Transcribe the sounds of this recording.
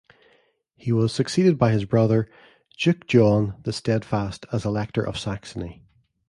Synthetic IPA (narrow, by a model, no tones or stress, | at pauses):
hiwɒz̥səksidɪd̚baɪɪzbɹʌðə̥˞ | d͡ʒʊk̚d̥ʒ̥ɔ̃nðəstɛd̥fastʰəzɪlˠɛk̚tʰə̰˞ʔə̰v̥saksəni